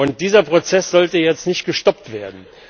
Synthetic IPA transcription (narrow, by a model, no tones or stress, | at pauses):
ʊnt̚d̥iːzɐpʁ̥ot͡sɛsz̥ɔltəjɛt͡stnɪçt̚ɡ̥əʃtɔptv̥eːɐdn̩